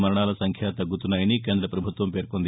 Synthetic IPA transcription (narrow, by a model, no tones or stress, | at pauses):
mɐɾɐɳaːlɐsɐŋkʰjaːt̪ɐɡːut̪unːaːjɐnike̞ːnd̪ɾɐpɾɐbʱut̪ʋɐmpe̞ːɾkond̪i